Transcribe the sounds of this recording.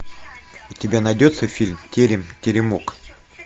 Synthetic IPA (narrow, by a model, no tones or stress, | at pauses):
itʲɪbʲanɐjdʲot̪səfʲilʲmtʲeɾʲɪmtʲɪɾʲɪmok